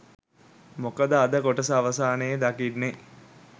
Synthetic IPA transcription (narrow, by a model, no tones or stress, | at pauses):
mokəd̪əad̪əkoʈəsaːʋəsaːnəjəd̪akiɖne